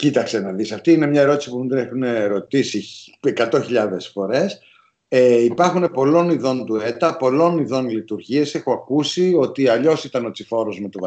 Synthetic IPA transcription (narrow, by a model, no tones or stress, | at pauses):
cit̪ɐkse̞nɐðisɐft̪iine̞mɲɐe̞ɾo̞t̪isipumind̪ɾexune̞ɾo̞t̪isie̞kɐt̪o̞çiʎɐðe̞sfo̞ɾe̞s | eipɐɾxune̞po̞lo̞niðo̞nd̪ue̞t̪ɐpo̞lo̞niðo̞nlit̪uɾʝie̞se̞xo̞ɐkusio̞t̪iɐʎo̞sit̪ɐno̞t͡sifo̞ɾo̞zmet̪ov